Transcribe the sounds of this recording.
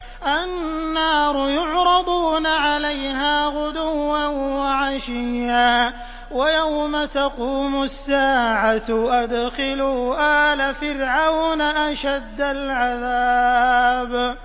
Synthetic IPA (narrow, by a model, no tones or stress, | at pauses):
ʔannːɑːɾˤʊjʊʕɾˤɑd̪ˤuːnaʕalajɦaːɣʊd̪ʊwːanwaʕaʃɪjːaː | wajawmat̪aquːmʊsːaːʕaʔad̪xɪluːʔaːlafɪɾʕawnaʔaʃad̪ːalʕaðaː | b